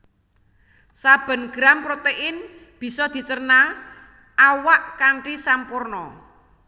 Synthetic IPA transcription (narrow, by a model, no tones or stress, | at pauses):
sab̥ə̤nɡ̥ɾampɾot̪eʔɪn | b̥i̤sɔd̪̥i̤t͡ʃərna | ʔawaʔkaɳʈisampʊrnɔ